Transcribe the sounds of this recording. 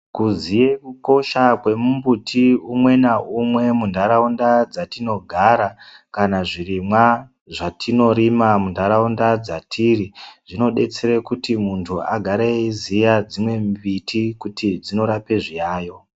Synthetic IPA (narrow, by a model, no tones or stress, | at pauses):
kuzije̞kuko̞ʃakwe̞mumbutʰiumwe̞naʔumwe̞mundʱaɾaundad͡zatino̞ɡʱaɾakanaʐirimwa | ʐatʰino̞ɾimamundʱaɾaundad͡zatʰiːɾiʐino̞ɗe̞t͡seɾekutimuntʰuaɡʱaɾeizijad͡zimwe̞mbitikutid͡zino̞ɾape̞ʐijaːjo̞